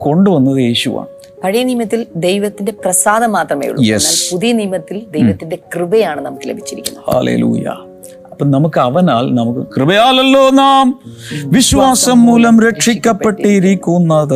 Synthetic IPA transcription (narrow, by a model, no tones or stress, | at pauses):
ko̞ɳɖɨʋɐnːɐðɨe̞ːɕuʋa̰ːɳɨ | pɐɻijɐniːmɐt̪ːild̪ejʋɐt̪ːinde̞prɐsaːd̪ɐmaːt̪rɐmḛjṵːjḛspuðijɐnijmɐt̪ːild̪ejʋɐt̪ːinde̞krɨbɐjaːɳɨnɐmukːɨle̞̰bʱit͡ɕːiɾikʲːunːha̰ːlḛːlṵːjɐ̰ | ɐpːɐːnɐmukːɨɐʋɐnaːlnɐmukːɨkrɨbɐjaːlɐlːo̞ːnaːmʋiɕwaːsɐmːuːlɐmɾe̞ʂikʲːɐpːe̞ʈːijiɾikʲːunːɐðɨ